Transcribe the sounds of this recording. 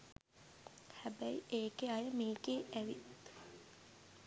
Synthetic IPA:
hæbæiʔeːkeajəmiːɡeːʔæʋi

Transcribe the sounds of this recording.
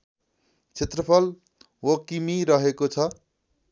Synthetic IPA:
t͡sʰet̪rʌpʰʌl | wokimiɾʌɦekot͡sʰʌ

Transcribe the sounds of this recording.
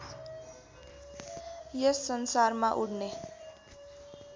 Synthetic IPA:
jʌsːʌnsarmaʔuɽne

